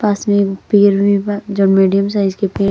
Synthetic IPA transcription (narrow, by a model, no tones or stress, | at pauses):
paːsmẽkpeːɾbʱid͡ʒoːnmiːɖijəms̬aːɪzkepeː